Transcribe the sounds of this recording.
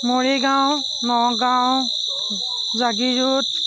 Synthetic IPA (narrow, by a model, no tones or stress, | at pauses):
moɹiɡaw̃ | nɔɡaw | zaɡizut̚